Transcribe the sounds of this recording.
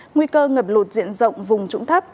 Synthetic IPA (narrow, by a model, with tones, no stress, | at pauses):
ŋwi˧kəː˧ŋəː˨˩p̚lo˨˩t̚zḭ˧˨ənzə̰˧˨wŋ͡mvʊ˨˩ŋ͡mt͡ɕʊ˧˥ŋ͡mt̪ʰa˦˥p̚